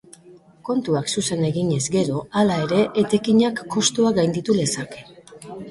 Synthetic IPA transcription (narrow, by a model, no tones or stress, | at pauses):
ko̞nt̪uaksuse̞ne̞ɣiɲe̞zɡe̞ɾo̞alae̞ɾe̞ʔet̪e̞kiɲakːo̞st̪uaɡajnd̪it̪ule̞sake̞